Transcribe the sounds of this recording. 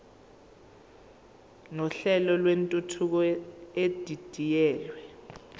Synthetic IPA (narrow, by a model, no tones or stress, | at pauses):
nɔɬɛlɔlwentʼutʰuk̬ɔed̥ʱid̥ʱijɛːlwɛ